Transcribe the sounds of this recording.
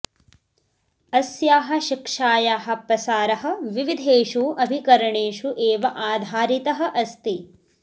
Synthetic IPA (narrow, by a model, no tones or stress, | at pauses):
ɐsjaːɦɐ̆ʃikʂaːjaːɦɐ̆pɾɐsaːɾɐɦɐ̆ʋiʋid̪ʱeːʂuʔɐbʱikɐɾɐɳeːʂuʔeːʋɐʔaːd̪ʱaːɾit̪ɐɦɐ̆ʔɐst̪i